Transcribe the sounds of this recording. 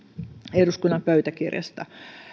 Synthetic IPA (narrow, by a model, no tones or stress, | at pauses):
eduskunːɑmpøyt̪ækirjɑ̰st̪ɑ